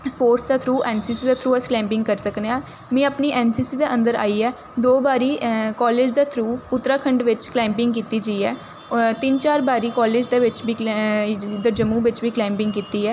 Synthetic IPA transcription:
spoːɾʈsd̪aːt̪ʰɾuːʔɛːnsiːsiːd̪aːt̪ʰɾuːɛːsklɛ̃ːmpɪ̃ŋɡkəɾsəkneãː | mɛ̃ːəpniːʔɛːnsiːsiːd̪eːʔə̃nd̪əɾa̰ːiːɛː | d̪oːbaːɾiːkɔːleːd͡ʒd̪aːt̪ʰɾuːʊt̪ːɾaːkʰəɳɖʋɪt͡ʃklɛ̃ːmpɪ̃ŋɡkiːt̪iːd͡ʒəiːɛː | t̪ɪnt͡ʃaːɾbaːɾiːkɔːleːd͡ʒd̪eːʋɪt͡ʃbiː | d̪əd͡ʒəmːũːʋɪt͡ʃbiːklɛ̃ːmpɪŋɡkiːt̪iːɛː

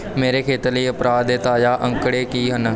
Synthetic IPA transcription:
meːɾeːkʰeːt̪ələiːəpɾaːd̪eːt̪aːjaːʔə̃ŋkɽeːkiːɦən

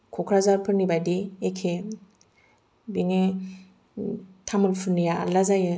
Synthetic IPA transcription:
kʰɔkʰɾazaɾpʰɯɾnibadiekʰe | biŋe | tʰamɯlpʰɯɾnija̰lazajɯ

